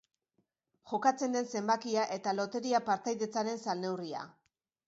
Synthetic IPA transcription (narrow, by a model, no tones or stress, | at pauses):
ʝo̞kat͡se̞nd̪e̞nse̞mbakiaʔe̞t̪alo̞t̪e̞ɾiapaɾt̪ajðe̞t͡saɾe̞nsalne̞wria̰